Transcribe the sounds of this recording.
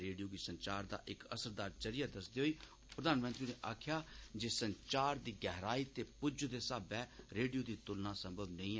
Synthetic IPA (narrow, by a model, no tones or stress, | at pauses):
ɾeːɖijoːɡiːsəɲt͡ʃaːɾd̪a̰ːʔɪkə̰səɾd̪aːɾt͡ʃəɾijaːd̪əsd̪eːɦoːiː | pɾəd̪aːnmə̃nt̪ɾiːneːʔaːkʰjaːd͡ʒeːsənt͡ʃaːɾd̪iːɡɛːɦɾaːiːt̪eːpʊd͡ʒd̪eːsaːbɛːɾeːɖijoːd̪iːt̪ʊlnãːsə̃mbʱəbnəĩː